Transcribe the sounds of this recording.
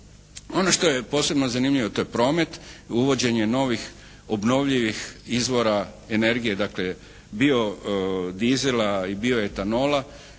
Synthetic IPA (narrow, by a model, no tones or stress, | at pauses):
o̞noʃt̪o̞je̞po̞ːse̞bnozanimʎiʋot̪o̞jepɾo̞ːme̞t̪uʋo̞d͡ʑe̞ɲe̞no̞ʋix | obno̞ʋʎiʋixizʋo̞ɾa | ene̞ɾɡije̞d̪akle | bio̞d̪izelaibio̞jet̪ano̞ːla